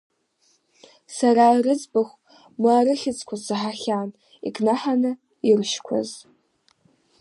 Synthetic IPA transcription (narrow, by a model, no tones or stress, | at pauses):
saɾairɨd͡zbaχʷ | maːɾɨχʲɪt͡sʰʼkʷʰasaħaχʲan | ḭkʰʼnaħanɨ | irʃkʷʰa̰z